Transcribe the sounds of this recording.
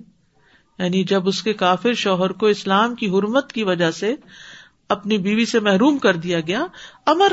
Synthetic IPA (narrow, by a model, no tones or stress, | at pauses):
jaːnid͡ʒɐbʊskekaːfɪɾʃɔːɦəɾkoɪslaːmkiɦʊɾmət̪kiʋɐd͡ʒase | ɐpnibiːʋisemɛɦɾuːmkɐɾd̪ijaɡɐjaɐməɾ